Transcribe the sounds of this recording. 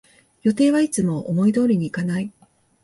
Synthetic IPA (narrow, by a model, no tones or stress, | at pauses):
jo̞t̪e̞ːβait͡sɨmo̞ʔomo̞id̪o̞ːɾʲiɲ̟iːkanai